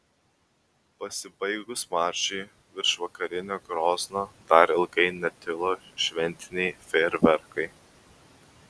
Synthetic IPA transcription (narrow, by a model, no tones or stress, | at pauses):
pɐsʲɪbɐɪɡʊsmɑːˑɾʲʃʲɛɪ | ʋʲɪɾʃʋɐkɐɾʲɪnʲoːɡɾoːznoːd̪̥ɐɾɪlˠɡɐɪnʲɛt̪ʲɪlˠoːʃʲʋʲɛnʲt̪ʲɪnʲɛɪfʲeːɾʲbʲɛɾkɐɪ